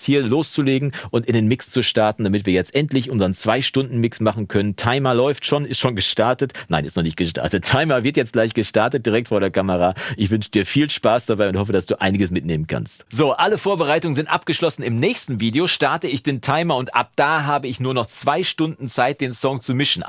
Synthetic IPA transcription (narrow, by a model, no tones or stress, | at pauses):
hiːɐloːst͡suleːɡŋ̩ʔʊntɪndenmɪkst͡suʃtaɐtn̩d̥amɪtv̥iːɐjɛt͡stʔɛntlɪçʔʊnzəʁənt͡sv̥aɪʃtʊndn̩mɪksmaχn̩kʰœnəntʰaɪmɐlɔʏftʃoːnɪstʃoːnɡəʃtaɐtətna̰ɪnʔɪstnɔχnɪçt̚ɡ̥əʃta̰ɐtətʰaɪmɐvɪɐtjɛt͡stɡ̥laɪçɡ̥əʃtaɐtət̚d̥iʁɛk̚tfoːɐɾeːɐkʰaməʁaːʔɪçv̥ʏnʃədiːɐfiːlʃpaːsd̥abaɪʊnthɔfəd̥asd̥uːʔa̰ɪnɪɡəsmɪtneːmənkʰa̰nstz̥oːʔaləfoːɐbəʁaɪtʊŋənzɪntʔa̰p̚ɡ̥əʃlɔsn̩ɪmnɛːçstn̩viːdeoʃtaɐtəɪçd̥eːntʰaɪmɐʊntʔa̰p̚d̥aːɦaːbəɪçnuːɐnɔχt͡sv̥aɪʃtʊndn̩t͡saɪt̚d̥eːnsɔŋt͡sumɪʃn̩